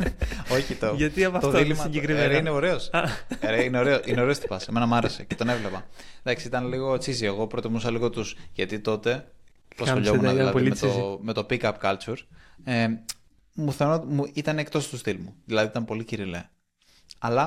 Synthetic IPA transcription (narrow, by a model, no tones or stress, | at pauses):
o̞çit̪oʝɐt̪iɐpɐt̪oðilimɐiɟekɾiɾeineoɾe̞oseɾineo̞ɾeoʔine̞o̞ɾe̞ost̪i̥pɐseme̞nɐmɐɾe̞se̞cet̪o̞ne̞vlepɐd̪ɐksiit̪ɐnliɣo̞t͡sizieɣo̞pɾot̪imusɐliɣo̞t̪usʝɐt̪it̪o̞t̪e̞ | osoʎo̞munɐðilɐðmeome̞t̪o̞pikɐpkɐlt͡suɾe | muθenot̪muit̪ɐnek̚t̪o̞st̪ust̪ilmuðilɐðiit̪ɐmpo̞liciɾilḛ | ɐlɐ